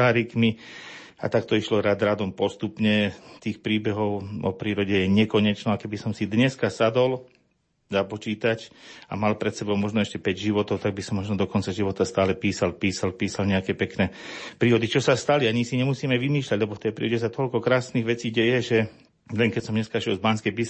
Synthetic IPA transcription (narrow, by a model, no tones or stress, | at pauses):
aːɾikmi | a̰t̪akt̪ɔiʃlɔɾad̪ɾad̪ɔmpɔst̪upɲɛt̪iːxpɾiːbɛɦɔʊɔ̰pɾiːɾɔɟɛjɛɲɛkɔɲɛt͡ʃnɔakɛbisɔmsid̪ɲɛskasad̪ɔl | zapɔt͡ʃiːt̪aca̰malpɾɛt̪sɛbɔʊmɔʒnɔɛʃcɛpɛɟʒiʋɔt̪ɔʊt̪aɡ̚bisɔmːɔʒnɔd̪ɔkɔnt͡saʒiʋɔt̪ast̪aːlɛpiːsalpiːsalpiːsalɲɛakɛːpɛknɛːpɾiːɾɔd̪it͡ʃɔsast̪aliaɲisiɲɛmusiːmɛʋimiːʃlʲaɟlɛbɔft̪ɛjpɾiːɾɔɟɛsat̪ɔʎkɔkɾaːsniɣʋɛt͡siːɟɛjɛʒɛ | lɛŋkɛcsɔmɲɛskaʃiɛlzbanskɛbis